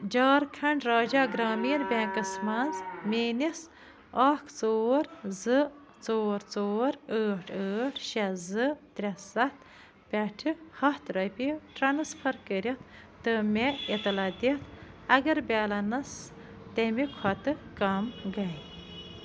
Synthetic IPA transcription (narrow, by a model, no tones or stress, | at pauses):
d͡ʒaːɾkʰɐɳɖɾaːd͡ʒaːɡɾaːmiːɾbʲẽːkɐsmɐnzmeːnis | ɑːkʰt͡soːɾzɨ | t͡soːɾt͡soːɾəːʈʰəːʈʰʃɐzɨt̪ɾʲɐsɐt̪ʰ | pʲɐʈʰɨhɐht̪ɾɐpiʈɾɐnɨspʰɐɾkəɾʲit̪ | t̪ɨmʲeit̪ɐlad̪it̪ʰɐɡɐɾbʲaːlɐnɐs | t̪emikʰɔt̪ɨkɐmɡɐj